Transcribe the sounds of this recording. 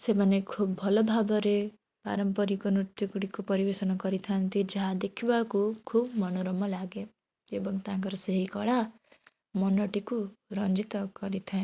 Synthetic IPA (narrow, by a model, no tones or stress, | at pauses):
semanekʰubbʱɔlɔbʱabɔɾe | pa̰ɾɔmpɔɾikɔnɾut̪jukuɽikupɔɾibesɔnɔkɔɾit̪ʰant̪id͡ʒɔɦad̪ekʰibakukʰubmɔnoɾɔmɔlaɡe | ebɔŋt̪ãŋkɔɾɔseɦikɔɽa | mɔnɔʈikuɾʌnd͡ʒit̪ɔkɔɾit̪ʰaẽ